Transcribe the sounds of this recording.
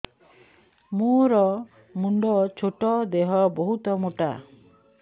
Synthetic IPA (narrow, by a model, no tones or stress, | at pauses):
moɾɔ | muɳɖɔt͡ʃʰoʈɔd̪eɦɔbɔɦut̪ɔmoʈa̰